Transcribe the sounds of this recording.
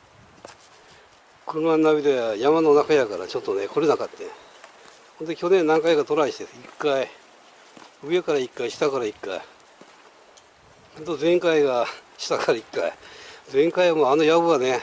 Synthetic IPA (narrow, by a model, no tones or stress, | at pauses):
kɯɯmanːaβʲid̪eajamanonakajakaɾa̰t͡ɕo̞t̪ːone̞ko̞ɾenakat̪ːe | hõ̞nd̪ekʲo̞nẽnːãŋkajɡat̪oɾaiɕi̥t̪esikːai | ɯekaɾaikːaiɕi̥t̪akaɾaikːa̰i | hõnd̪ozẽ̞ŋkaiɡaɕi̥t̪akaɾaikːa̰id͡zẽ̞ŋkaiβamoanojaβɯane